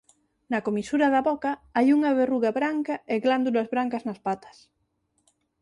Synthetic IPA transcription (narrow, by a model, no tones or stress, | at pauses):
nakomisuɾaðaβokaajuŋaβeruɣaβɾaŋkaeɣland̪ulazβɾaŋkaznaspat̪ɐ̥s